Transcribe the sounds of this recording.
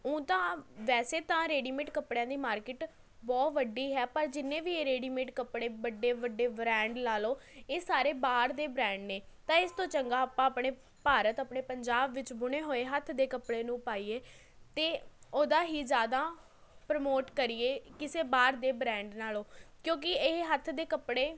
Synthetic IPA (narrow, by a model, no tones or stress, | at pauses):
ũːt̪ãːʋɛːseːt̪ãːɾeːɖiːmɪʈkəpɽejãːd̪iːmaːɾkɪʈ | bɔːt̪ʋəɖiːɦɛːpəɾd͡ʒɪnːẽːʋiːeːɾeːɖiːmeʈkəpɽeːbəɖeːʋəɖeːbɾɛ̃ːɳɖlaːloːeːsaːɾeːbaːɾd̪eːbɾɛ̃ːɳɖneː | t̪ãːɪst̪õːt͡ʃəŋɡaːəpːãːəpɳeː | paːɾət̪əpɳeːpəɲd͡ʒaːbʋɪt͡ʃbʊɽ̃eːɦoːeːɦət̪ʰd̪eːkəpɽeːnũːpaːiːeː | t̪eːoːd̪aːɦiːzjaːd̪aː | pɾəmoːʈkəɾieːkɪseːbaːɾd̪eːbɾɛ̃ːɳɖnaːloːkjõːk̬ɪɪɦət̪ʰd̪eːkəpɽeː